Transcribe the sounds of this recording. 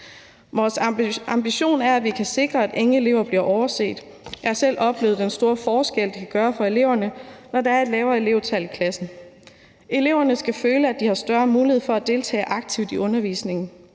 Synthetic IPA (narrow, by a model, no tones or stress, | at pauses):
ʋɒːsɑ̈mb̥iɕo̝̰ːnæɐæʋikʰæse̝ɡ̥ʁɐæd̥e̝ŋəe̝le̝ʊ̰ɐb̥liɐʔɒʊɐse̝̰ːd̥ | jɑ̈hɑ̈sel̰ɒ̽b̥le̝̰ːð̞̩ˠd̥ensd̥o̝ːɐfɒːsɡ̥el̰d̥ikʰæɡ̥ɶːɐfɒ̽e̝le̝ʊ̰ɐnənɒdɑ̈ɐe̝d̥lɛːʊɐe̝le̝ʊt͡sʰæl̰ikʰlæsn̩ | e̝le̝ʊ̰ɐnəsɡ̥æføːləæd̥ihɑ̈sd̥ɶɐmuːlihefɒ̽æd̥e̝lt͡sʰɛ̰ːʔɑ̈ɡ̥̚t͡sʰiʊd̥iʔɔ̽nɐʋḭːsne̝ŋn̩